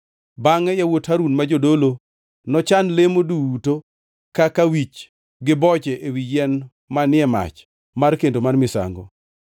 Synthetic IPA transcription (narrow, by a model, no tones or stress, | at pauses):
baŋɛjawothaɾunmad͡ʒodolo | nɔt͡ʃanlemoduwuto | kakawit͡ʃ | ɡɪbɔt͡ʃɛʔewijɛn | manɪɛma̰t͡ʃ | markendomanmɪsa̰ŋɡɔ̰